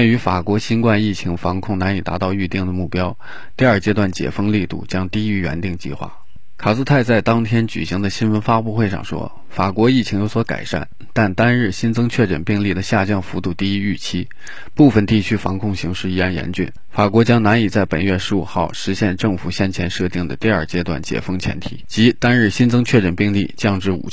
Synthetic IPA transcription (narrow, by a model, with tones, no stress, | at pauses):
wɛ˥˩ny˧˥fa˨˩kwɔ˧˥ɕi˥nkwa˥˧ni˥˩t͡ɕʰi˧˥ŋfɑ˧˥ŋkʰʊ˥˩ŋna˧˥ni˨˩t̪a̰˧˥t̪ɑ˥˧ʊy˥˧t̪i˥˩ŋd̪ə˩mu˥˩pjɑ˥ʊ | t̪i˥˧ɐ˞˥˧˩t͡ɕjɛ˥t̪wa˥˩nt͡ɕjɛ̰˨˩fɤ˥ŋli˥˧t̪ṵ˥˩t͡ɕjɑ˥ŋt̪i˥˧y˥ɥɛ̰˧˥nt̪i˥˧ŋt͡ɕḭ˥˧xwa̰˥˩ | kʰa˨˩s̩˥˧t̪ʰa˥˧ɪt͡sa˥˩ɪt̪ɑ˥ŋt̪ʰjɛ˥nt͡ɕy̰˨˩ɕi˧˥ŋd̪ə˧ɕi˥nwə˧˥nfa˥pu˥˧xwe˥˧ɪʂɑ̰˥˩ŋʂwɔ̰˥ | fa˨˩kwɔ˧˥i˥˩t͡ɕʰi˧˥ŋjo˧˥swɔ˧˥ka̰˨˩ɪʂa̰˥˩n | t̪a˥˩nt̪a˥nɻ̩˥˩ɕi˥nt͡sɤ˥ŋt͡ɕʰɥɛ˥˩ʈ͡ʂə̰˨˩npi˥˧ŋli˥˩d̪ə˩ɕja˥˧t͡ɕjɑ˥˩ŋfu˧˥t̪u˥˧t̪i˥˧i˥y˥˩t͡ɕʰi˥ | pu˥˩fə˩nt̪i˥˩t͡ɕʰy˥fɑ˧˥ŋkʰʊ˥˩ŋɕi˧˥ŋʂɻ̩˥˧i˥a˥˩njɛ̰˧˥nt͡ɕy̰˥˩n | fa˨˩kwɔ˧˥t͡ɕjɑ˥ŋna˧˥ni˨˩t͡sa˥˩ɪpə˨˩nɥɛ˥˩ʂɻ̩˧˥ṵ˨˩xɑ˥˩ʊʂɻ̩˧˥ɕjɛ˥˧nʈ͡ʂɤ˥˩ŋfu˨˩ɕjɛ˥nt͡ɕʰjɛ˧˥nʂɤ˥˧t̪i˥˩ŋd̪ə̰˩t̪i˥˧ə˞˥˩t͡ɕjɛ˥t̪wa̰˥˩nt͡ɕjɛ̰˨˩fɤ˥ŋt͡ɕʰjɛ̰˧˥nt̪ʰḭ˨˩˦t͡ɕi˧˥t̪a˥nɻɻ̩˥˩ɕi˥nt͡sɤ˥ŋt͡ɕʰɥɛ˥˩ʈ͡ʂə˨˩npi˥˧ŋli˥˩t͡ɕjɑ˥˧ŋʈ͡ʂɻ̩˥˩ṵ˨˩˥